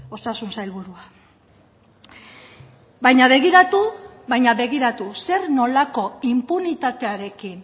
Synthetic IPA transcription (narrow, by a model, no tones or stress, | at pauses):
o̞sasunsajlβuɾua | bajɲaβ̞e̞ɣiɾat̪uβajɲaβe̞ɣ̞iɾat̪use̞ɾno̞lako̞impunit̪at̪e̞aɾe̞kin